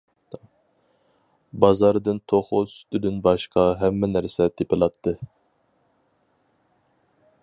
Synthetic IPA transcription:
bɑzɑɾd̪ɨnt̪ʰoχʊsy̥t̪yd̪ynbɑʃqɑɦɛmːɛnæɾsɛt̪ʰepɪlˠɑt̪ʰːɨ

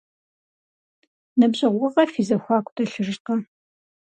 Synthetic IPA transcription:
nɐbʑɪʁʷʊʁɐfiːzɐxʷaːkʷʊ̥tʰʼɐɬɨrqɐ

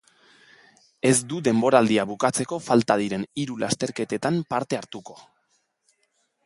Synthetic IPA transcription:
e̞zd̪uðe̞mbo̞ɾald̪iaβukat͡se̞ko̞falt̪að̞iɾe̞niɾulast̪e̞ɾke̞t̪e̞t̪ampaɾt̪e̞aɾt̪uko̞

